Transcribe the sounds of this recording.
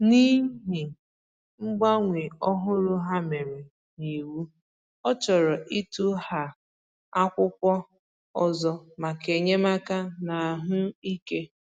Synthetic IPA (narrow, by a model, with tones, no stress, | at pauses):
ni˦ɦi˨ | ŋ͡m̩˦ɡ͡ba˦ŋʷi˨ɔ˦ɦʊ˦ɾʊ˦ɦa˦me˨ɾe˨ | ni˨wu˦ | ɔ˦t͡ʃɔ˨ɾɔ˨ʔi˦tu˦ha˨ | a˦kʷʊ˦kʷɔ˦ | ɔ˨zɔ˨ma˨ke˨ɲe˦ma˦ka˦na˨ɦʊ˦i˦ke˦